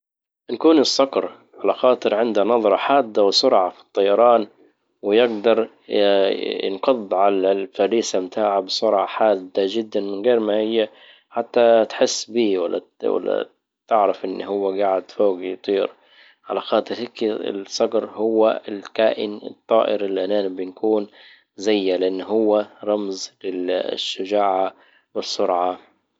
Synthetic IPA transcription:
nakuːnɨsˤːɑqɾ | ʕalaxɑːt̪ˤɨɾʕɪnd̪anɑðˤɾˤɑħaːd̪ːawɪsʊɾʕafi̥t̪ˤːɑjɑɾˤɑːn | wɪjɪɡd̪ɑɾˤ | jɪ̰nqɑðˤːʕalalfaɾiːsamt̪ʰaːʕabɪsʊɾʕɑħaːd̪ːad͡ʒɪd̪ːanmɪnɣeːɾmahɪjːa | ħat̪ːat̪ħɪsːbiːwa̰lːa̰ | wa̰lːa̰ | t̪ɪʕɾɪfʔɪnːhʊwːaɡaːʕɪd̪foːɡjt̪ˤiːɾ | ʕa̰laxɑːt̪ˤɨɾhɪkɪ̰lsˤɑɡɾhʊwːaɪlkaːʔɪ̰nɪ̰t̪ˤːɑ̰ːʔɪɾɪlːiʔanaːnbɪnkʰuːn | zajːalɪʔanːhʊwːaɾˤɑmzlɪʃːʊʒaːʕa | wɪsˤːʊɾʕa

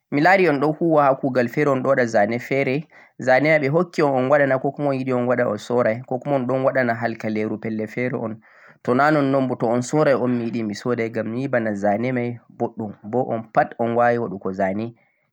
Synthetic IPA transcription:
milaɾiɔnɗɔkuwahakuɡalfɛɾɛɔnɗɔɗazanɛfɛɾɛ | zanɛmaɓɛɦokːiɔnɔnwaɗanakɔkɔmɔnjiɗiɔnwaɗaɔ̰sɔɾajkɔkumɔɔnɗɔnwaɗanaɦalkaleɾupɛlːɛfɛɾɛ̰ʔɔn | tɔnanɔnːombutɔɔnsɔɾajɔnmijiɗimisɔdajɡamːiibanazanɛmajboɗːumbɔʔɔ̰npatɔnwawiwaɗukɔzanɛ

